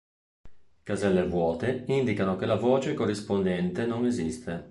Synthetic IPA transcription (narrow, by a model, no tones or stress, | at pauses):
kazɛlːevwɔːt̪eind̪ikanokelavoːt͡ʃekorːispond̪ɛnt̪enoŋezist̪ʰe